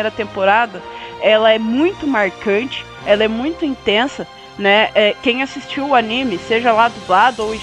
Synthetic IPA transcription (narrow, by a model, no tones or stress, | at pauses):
ejɾɐt̪ẽmpoɾad̪ɐɛlɐɛmũj̃t̪ʊmaɾkɐ̃nt͡ʃɪ̥ | ɛlɐɛmũj̃t̪ʊĩt̪ẽsɐ | nɛʔɛkẽj̃asist͡ʃiwʊanĩmɪseʒɐlad̪ʊblad̪ʊowĩ